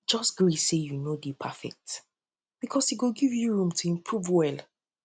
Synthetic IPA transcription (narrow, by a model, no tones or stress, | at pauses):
d͡ʒɔsɡ̥ɹisejunodepʰafɛ̰k̚t | b̥ikʰɔsiɡoɡivjuɹũmtʰuĩmpʰɹuvwɛl